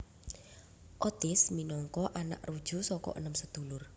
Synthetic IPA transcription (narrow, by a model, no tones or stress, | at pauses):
ʔɔt̪ɪsminɔŋkɔʔana̰ʔrud̥ʒ̥ṳsɔkɔ̰ʔə̰nəmsəd̪̥ṳlʊr